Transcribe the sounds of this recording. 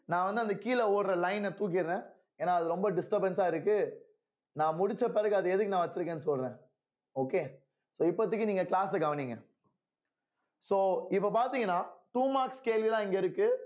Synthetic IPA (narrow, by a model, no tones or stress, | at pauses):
nãːʋɐnd̪ɯɐnd̪ɐkiːlɐoːɽɾɐlɐɪnt̪uːk̬ɪɾɾẽː | eːnːaːɐðɯɾɔmbɐɖɪsʈɐɾbɛnsaːɪɾɯkːɯ | nãːmʊɽɪt͡ʃːɐpːɛɾɐɣɯɐðɯɛðɯkːɯnãːʋɐt͡ʃːɪɾɯkːẽːnːɯsɔlɾẽː | oːkeː | soːɪpːɐt̪ːɯkːɯniːŋɡɐklaːsɛɡɐʋɐniːŋɡɐ | soːɪpːɐpaːɾt̪iːŋɡɐnːaːʈuːmaːɾkskeːlʋɪlãːɪŋɡɐɪɾɯkːɯ